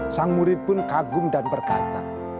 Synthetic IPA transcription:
saŋmuɾɪt̪̚pʊnkaɡʊŋdanpərɡa̰t̪a̰

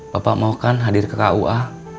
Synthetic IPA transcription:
bapa̰ʔmaokanɦadɪrkəkauʔa

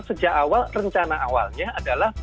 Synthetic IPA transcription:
səd͡ʒakawalrəɲt͡ʃanaawa̰lɲaadalah

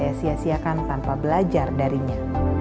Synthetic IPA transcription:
asiasiakant̪anpabəlad͡ʒardaɾiɲa

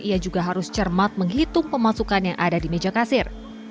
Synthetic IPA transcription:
iad͡ʒuɡaɦaɾʊst͡ʃərmat̪̚məŋɦit̪ʊŋpəmasukanjaŋʔa̰dadimed͡ʒakasɪr

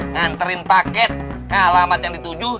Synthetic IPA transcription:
ŋant̪əɾinpakɛt̪̚kaalamat̪̚jaŋdit̪ud͡ʒuh

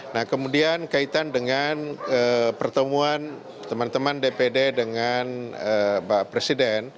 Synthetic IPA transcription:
nahkəmudiankait̪andəŋanəpərt̪əmuan | t̪əmant̪əmandepededəŋanəbapɾesidɛn

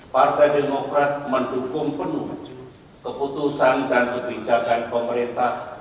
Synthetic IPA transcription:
part̪ajdemokɾat̪̚mənhukʊmpənuh | kəput̪usandankəbid͡ʒakanpəməɾint̪ah

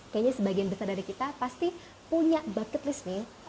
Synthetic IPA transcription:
kajaɲasəbaɡianbəsardaɾikit̪apast̪i | puɲaʔbakət̪lɪsnɪ

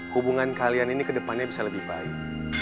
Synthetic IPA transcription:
hubuŋankalianinikədəpanɲabisaləbihba̰ɪk̚

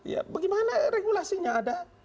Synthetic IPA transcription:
ja̰baɡimanareɡulasiɲaːda

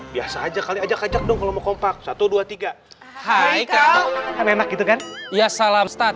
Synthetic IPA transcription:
biasaːd͡ʒakaliad͡ʒakad͡ʒak̚dʊŋkalomɔkɔmpak̚sat̪uduat̪iɡa | hajkaamemak̚ɡit̪ukanjasalamst̪at̪̚

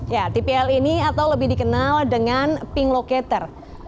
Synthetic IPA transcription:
jat̪ipiɛliniat̪awləbɪhdikənaldəŋanpiŋlokɛt̪ər

